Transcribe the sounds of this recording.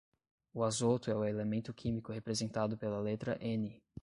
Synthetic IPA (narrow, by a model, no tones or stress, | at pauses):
ʊazot̪ʊɛʊelemẽnt̪ʊkʰĩmikʊhepɾezẽnt̪ad̪ʊpelɐlet̪ɾɐʔẽnɪ